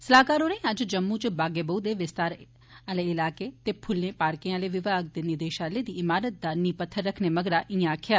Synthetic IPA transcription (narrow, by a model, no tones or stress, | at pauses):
səlaːkaːɾoːɾə̃ĩːəd͡ʒd͡ʒəmːut͡ʃbaːɡeːbəud̪eːʋɪst̪aːɾ | aːleːɪlaːkeːt̪eːpʰʊlːẽːpaːɾkeaːleːʋɪʋaːɡ̚d̪enid̪eːʃãːleːd̪iːɪmaːɾət̪̚d̪aːɾniːpət̪ʰːəɾːəkʰneːməɡɾaːʔɪ̃ãkʰjaː